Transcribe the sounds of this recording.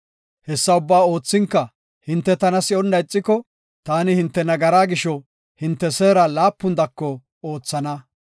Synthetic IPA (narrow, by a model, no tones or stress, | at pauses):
hɛsːɐʊbːaːo̞ːt͡sːɪŋkːɐ | hɪnt̪ːɛt̪ɐnɐsɪɔnːɐjt͡sʼːɪkɔ | t̪aːnɪhɪnt̪ːɛnɐɡɐɾaːɡɪʃɔ | hɪnt̪ːɛseːɾɐlaːpːʊnd̪ɐkːɔ | o̞ːt͡sːɐnɐ